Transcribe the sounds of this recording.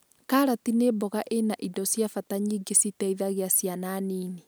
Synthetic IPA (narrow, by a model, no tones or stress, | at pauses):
kaːɾatinebɔɣaʔenaʔidɔsjafataɲiːɡesitɛiðaɣeasjananiːne